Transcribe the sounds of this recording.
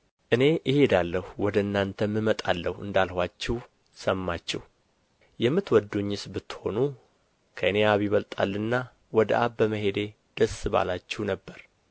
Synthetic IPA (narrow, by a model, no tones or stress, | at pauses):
ʔɨne̞ʔɨhed̪alːəhuwɔd̪əɨnːant̪ʰəmːɨmət̪ʼalːəhuɨ̰nd̪alhwat͡ʃːɛw | səmːat͡ʃːɛh | jɛmːɨt̪wɔd̪ːuɲːɨsbɨt̪ːho̞̰nu | kʰəɨneaβiβəlt̪ʼa̰lːɨnːa | wɔd̪əʔaβːəməɦe̞d̪e̞ | d̪̥əsːɨβa̰lat͡ʃːɛhnəbːəɾ